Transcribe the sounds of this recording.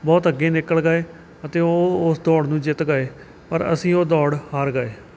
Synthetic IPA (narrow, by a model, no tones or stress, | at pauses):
bɔːt̪əɡeːnɪkːəɭɡəːeː | ət̪eːoːʊsd̪ɔːɽnũːd͡ʒɪt̪ɡəeː | pəɾə̰sĩːoːd̪ɔːɽhaːɾɡəːeː